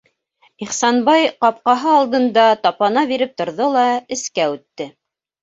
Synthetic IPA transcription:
iχsɑnbɑjqɑp̚qɑɦɤɑlˠd̪ɤ̆nd̪ɑt̪ɑpɑnɑβiɾɘp̚t̪ŏɾðolˠɑɘ̆skæʉt̪ːɘ

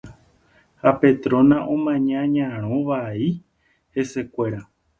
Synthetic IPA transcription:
hape̞t̪ɾõ̞nãʔõmãɲãɲãɾ̃õʋai | he̞se̞kʷe̞ɾa

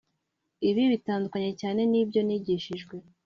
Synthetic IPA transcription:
iβiβitaːndukaɲe̞caːne̞niːbjo̞niɟiːʃiʒɡwe̞

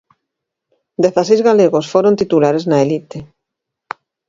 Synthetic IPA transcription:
d̪eθasejzɣaleɣosfoɾont̪it̪ulaɾeznaelit̪e

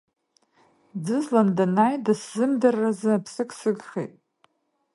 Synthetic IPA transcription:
d͡zɨzlandanajdaszɨmdarːazɨapʰsɨkʰʼsɨɡχḛjtʼ

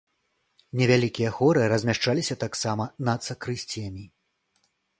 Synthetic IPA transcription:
nʲɛvʲalʲikʲijɐxɔɾɨɾɐzʲmʲaʂt͡ʂalʲisʲɐt̪aksamɐnɐt̪sɐkɾɨsʲt͡sʲɛmʲi

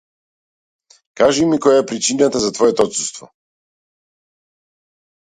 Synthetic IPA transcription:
kaʒimikɔjaɛpɾit͡ʃinat̪azat̪vɔɛt̪ɔɔt̪sust̪vɔ̰

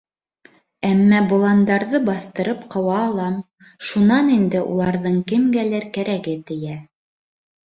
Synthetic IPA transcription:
æmːæbŏlˠɑnd̪ɑɾðɤbɑθt̪ɤ̆ɾɤpqɤ̆wɑːlˠɑm | ʃunɑnind̪ɘʔṵlˠɑɾðɤɴkɘ̆mɡælæɾkæɾæɡɘt̪ɘ̆jæ

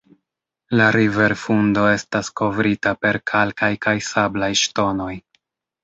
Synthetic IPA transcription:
laɾive̞ɾfundo̞e̞stasko̞vɾitape̞ɾkʰalkajkajsablajʃto̞no̞j

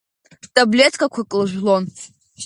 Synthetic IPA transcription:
tʼablʲetʰkʰakʷʰakʼlɨʒʷᶣlon

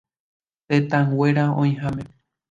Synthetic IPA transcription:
t̪et̪ãŋɡwe̞ɾaõĩɦãmẽ

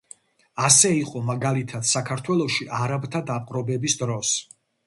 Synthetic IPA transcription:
asɛiqʼɔmaɡalit̪ʰad̪̥sakʰaɾt̪ʰwɛlˠɔʃiʔaɾabt̪ʰad̪apʼqʼɾɔbɛbisd̪ɾɔs

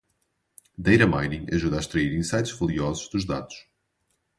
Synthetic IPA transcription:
d̪ejɾɐmajnĩɐʒuðaʃt̪ɾɐiɾĩsajt̪ʒvɐlˠiɔzuʒðuʒðaðu̥ʃ

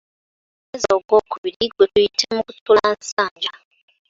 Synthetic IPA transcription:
ɛzoɡokʰuβiɾiɡwekuitʰemukutʰulansaːnd͡ʒa

